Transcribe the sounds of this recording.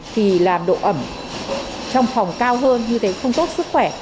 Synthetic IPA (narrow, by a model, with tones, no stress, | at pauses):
t̪ʰi˨˩laː˨˩mɗo̰˧˨ʔə˧˩m | t͡ɕɔ˧wŋ͡mfɔ˨˩wŋ͡mkaː˧wɦəː˧nɲɨ˧t̪ʰe˨˦xə˧wŋ͡mt̪o˦˥t̚sɨ˦˥k̚xwɛ˧˩